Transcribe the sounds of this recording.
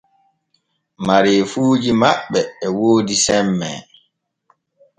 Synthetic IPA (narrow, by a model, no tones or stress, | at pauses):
maɾeːfuːd͡ʒimaɓːɛːwoːdisɛmːɛ̰